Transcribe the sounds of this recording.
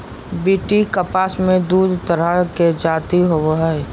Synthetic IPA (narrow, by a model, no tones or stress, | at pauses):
biːʈikəpaːsmẽd̪uːd̪ʱt̪əɾəked͡ʒaːt̪iɦoʋɦae